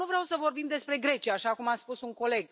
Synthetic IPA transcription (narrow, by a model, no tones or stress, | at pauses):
uvɾeawsəvo̞rbimd̪e̞spɾe̞ɡɾe̞t͡ʃiaːʃakumat̪spusuŋko̞le̞ɡ